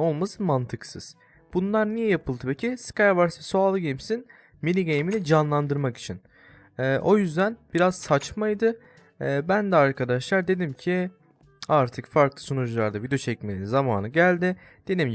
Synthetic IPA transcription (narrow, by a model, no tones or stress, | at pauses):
o̞lˠmasɯmant̪ʰɯksɯz̥ | b̥unlˠaɾnijɛjapʰɯlˠd̪ɯpecʰiskaɾvaɾsɛsoalˠɯɟemsin | milʲiɟejminid͡ʒanlˠand̪ɯɾmaki̥t͡ʃʰin | ɛːʔo̞jyzd̪ænb̥iɾaz̥sat͡ʃmajd̪ɯː | bænd̪ɛaɾkʰad̪aʃlˠaɾd̪e̞d̪imcʰi | aɾt̪ʰɯkfaɾklˠɯsonud͡ʒlˠaɾd̪avid̪ot͡ʃʰɛcmeninzamaːnɯɟælʲd̪ɪ | d̪̥e̞d̪im